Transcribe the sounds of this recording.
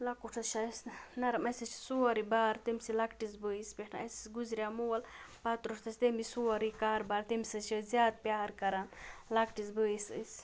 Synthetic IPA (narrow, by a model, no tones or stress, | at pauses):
lɐkuʈʰɐt͡ʃʰɐsnɐɾɐmɐsɐt͡ʃʰi̥suɐɾibaːɾt̪imʲsilɐkʈis̬bəispeʈʰnaɐjsi̥sɡuzɾʲjamuːɐlpat̪ɾuʈʰt̪ʰɐsʲt̪emisuɐɾikaːɾbaːɾt̪emʲsɐt͡ʃʰizʲjaːd̪̚pʲjaːɾkɐɾanlakʈisbəisɨ̰s